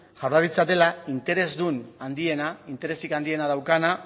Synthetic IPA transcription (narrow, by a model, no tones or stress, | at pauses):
ʝ̥aɾðaɾit͡sat̪e̞laint̪e̞ɾe̞zd̪unand̪ie̞naint̪e̞ɾe̞sikand̪ie̞naðawkana